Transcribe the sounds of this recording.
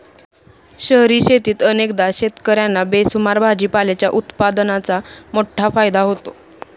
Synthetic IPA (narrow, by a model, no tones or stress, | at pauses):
ɕəɦɾiːɕet̪iːt̪ənekd̪aɕet̪kəɾjanːabesumaɾbʱad͡ʑiːpalet͡ɕjaʔut̪pad̪ənat͡samoʈʰafajd̪aɦot̪o